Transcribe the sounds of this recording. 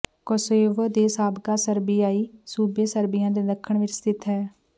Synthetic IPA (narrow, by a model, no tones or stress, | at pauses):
koseːʋəd̪eːsaːbɡaːsəɾbiːaːiːsuːbeːsəɾbɪjãːd̪eːd̪əkʰːəɳʋɪɾt͡ʃt̪ɪt̪ɦɛː